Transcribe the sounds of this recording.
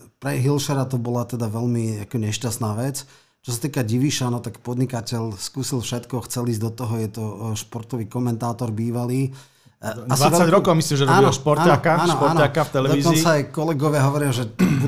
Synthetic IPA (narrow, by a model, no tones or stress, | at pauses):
pɾɛɦilʃɛɾat̪ɔbɔlat̪ɛd̪aʋɛʎmiakɔɲɛʃcast̪naːʋɛt͡s | t͡ʃɔsat̪iːkaɟiʋiʃanɔt̪akpɔd̪ɲikacɛʎskuːsilˠfʃɛt̪kɔxt͡sɛliːzd̪ɔt̪ɔɦɔjɛt̪ɔʃpɔɾt̪ɔʋiːkɔmɛnt̪aːt̪ɔɾbiːʋaliː | asʋaiɛaɾɔkɔʊmislimʒɛɾɔaːbiɔʃpɔɾaːnaakaaːnɔpɔɾːnakafɛlɛd̪ɔiːzkɔnt͡saajkɔlɛɡɔʋɪaɦɔʋɔɾɪaʒɛbu